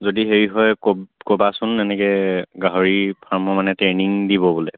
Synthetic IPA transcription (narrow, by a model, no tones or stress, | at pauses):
zodiɦeɹiɦɔjkobkobasʊnːɛnɛkɛɡaɦoɹipʰaɹmɔmanɛteniŋdibɔbolɛ